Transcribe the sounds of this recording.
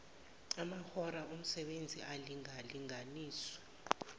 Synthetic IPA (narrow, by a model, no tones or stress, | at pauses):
amaxɔɾaum̩sɛɓend͡zʱialiŋaliŋaniːswɔ̥